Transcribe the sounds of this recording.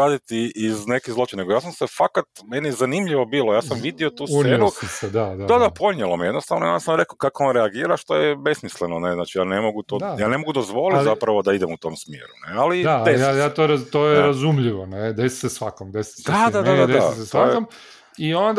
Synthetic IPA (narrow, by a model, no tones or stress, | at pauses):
aːd̪it̪iʔizne̞kizlˠo̞t͡ʃineɡojaːsamsefakat̪menijɛzanimʎiʋo̞biːlˠojaːsamʋid̪io̞t̪uːseːɾused̪ad̪ad̪ad̪apo̞ɲelˠomeje̞d̪nost̪aʋnojensnɾe̞kokakoonɾeaɡiːɾaʃt̪o̞jɛbe̞smislenoneznaːt͡ʃijaːnemo̞ɡut̪ojaːne̞mo̞ɡud̪o̞zʋo̞lit̪zapɾaʋo̞d̪aid̪emut̪o̞ːmsmjḛɾunealid̪esjajat̪oɾat̪ojɛɾazumʎiʋoned̪esi̥sesʋakomd̪esi̥d̪ad̪ad̪ad̪ad̪d̪asst̪oajeom | iond̪